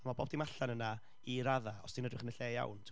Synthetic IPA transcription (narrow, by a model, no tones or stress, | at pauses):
amabɔb̚dimaɬanəna | iɾaðaɔsd̥inədrɪχənəɬeːja̰wntʰ